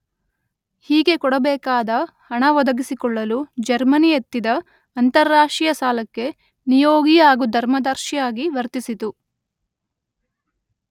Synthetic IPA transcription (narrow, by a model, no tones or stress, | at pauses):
hiːɡe̞kɔɽɐbɛːkaːd̪ɐ | hɐɳɐʋɔd̪ɐɡisikɔɭːɐlud͡ʒɐɾmɐnijet̪ːid̪ɐː | nt̪ɐɾːaːʂʈɾijɐsaːlɐkːe̞ | nijoːɡijaːɡud̪ʱɐɾmɐd̪ɐɾʃijaːɡiʋɐɾt̪isit̪u